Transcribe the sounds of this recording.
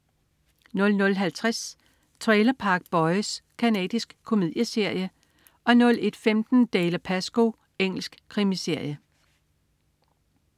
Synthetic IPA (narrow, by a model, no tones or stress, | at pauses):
nɔ̽lnɔ̽lɦælt͡sʰʁas | t͡sʰʁɛːlɐpʰɑ̈ɡ̥̚b̥ɒ̽ɪskʰænɛ̰ːd̥isɡ̥kʰːo̝mið̰ˠjəse̝ɐ̰jə | ʔɒ̽nɔ̽le̝d̥femd̥n̩d̥eːləpʰæsɡ̥o̝ | eŋ̰l̩sɡ̥kʰʁimise̝ɐ̰jə